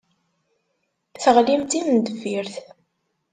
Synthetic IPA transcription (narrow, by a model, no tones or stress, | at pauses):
θəʁlimt̪imənd̪əviɾθ